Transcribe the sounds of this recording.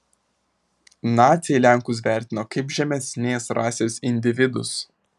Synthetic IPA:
nɑːt̪sʲejɛɪlʲæˑŋkʊs̬ʋʲæˑɾʲt̪ʲɪnoːkɐɪpʒʲɛmʲɛsʲnʲeːsɾɑːsʲeːsɪnʲd̪ʲɪʋʲɪd̪ʊ̰s

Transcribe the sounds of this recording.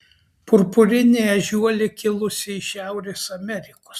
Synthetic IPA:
pʊɾpʊɾʲɪnʲeːɛʒʲuɔlʲɪkʲɪlˠʊsʲɪɪʃʲæˑʊɾʲeːsɐmʲɛɾʲɪko̥s

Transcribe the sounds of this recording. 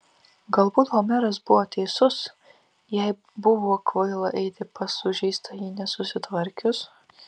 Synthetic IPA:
ɡɐlˠbuːt̪ɣomʲɛɾɐs̬bʊʋoːt̪ʲɛɪsʊs | jɛɪ | bʊʋoːkʋɐɪlˠɐʔɛɪt̪ʲɪpɐsʊʒʲɛɪst̪ɐjiːnʲɛsʊsʲɪt̪ʋɐɾʲkʲʊs

